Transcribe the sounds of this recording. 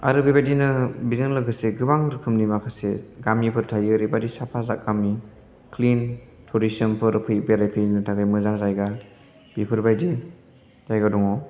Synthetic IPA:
a̰ɾɯbajbajdinɯbizɯnlɯɡɯseɡɯbaŋɾɯkʰɯmnimakʰaseɡamipʰɯɾtʰajɯɾibadisapʰaza̰k̚ɡamni | klin | tʰɔɾisɔnpʰɯɾpʰɯjbeɾajpʰijnɯtʰaɡajmɯzaŋzajɡa | b̥ipʰɯɾbajdi | z̥ajɡadɔŋɔ

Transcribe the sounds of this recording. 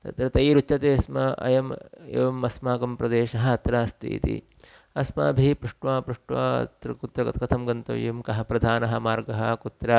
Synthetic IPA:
t̪ɐt̪ɾɐt̪ɐjɾut͡ʃːɐt̪eːsmɐʔɐ̰jɐmḛːʋɐmɐsmaːkɐmpɾɐd̪eːʃɐɦɐɐt̪ɾaːst̪ʰḭːt̪ḭ | ɐsma̰ːbʱipɾuʂʈʋaːpɾuʂʈʋa̰ːɐ̰t̪ɾɐkut̪ɾɐkɐt̪kɐt̪ʰɐmɡɐnt̪ɐ̰ʋjɐmkɐɦɐpɾɐd̪ʱaːnɐɦɐ̆maːɾɡɐɦɐkut̪ɾa

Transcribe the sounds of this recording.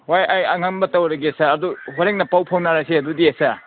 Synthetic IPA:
wajajaŋaŋbɐtɐwɾɐɡisaːduɦoɾeŋ̚nɐpawpʰawnaɾajseɐdudiesa

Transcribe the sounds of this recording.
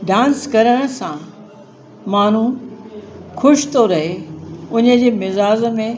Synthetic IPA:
ɖãːnskɐɾəɽ̃ə̆sã | maːn̤ũ | xʰʊʃt̪oɾɐɦeʊnə̆d͡ʑeːmɪzaːzmẽ

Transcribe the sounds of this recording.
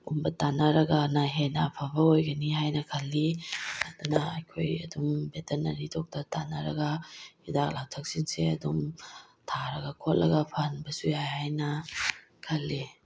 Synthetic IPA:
umbɐtanɐɾɐɡɐnɐɦenapʰɐbɐojɡɐniɦajnɐkʰɐlːiɐdunɐɐjkʰojɐ̰dumbeteɾnɐ̰ɾitʰok̚tɐtanɐɾɐ̰ɡɐidaklaw̚tʰɐk̚sinseɐ̰dum | tʰaɾɐɡɐkʰot̚lʔɐɡɐpʰanbɐsujajhajnɐ | kʰɐlːi

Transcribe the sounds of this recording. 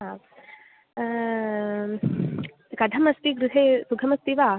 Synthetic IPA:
a | kɐd̪ʱɐmɐst̪iɡɾuɦeːsuɡʰɐmɐst̪iʋaː

